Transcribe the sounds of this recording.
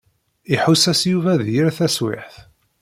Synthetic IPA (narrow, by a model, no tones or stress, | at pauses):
iħusæsjuvæðjəɾθæswɪ̰ħθ